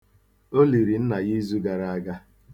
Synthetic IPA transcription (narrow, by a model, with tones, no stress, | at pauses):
o˦li˨ɾi˨n̩˦na˨ɣi˦zu˦ɡa˨ɾa˨a˦ɡa˦